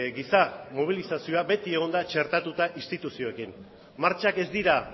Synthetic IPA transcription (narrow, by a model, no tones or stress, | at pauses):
ɡisamoβ̞ilisasio̞abe̞t̪ie̞ɣ̞o̞nd̪at͡ʃe̞ɾt̪at̪ut̪aʔist̪it̪usio̞ekim | maɾt͡ʃake̞zd̪iɾa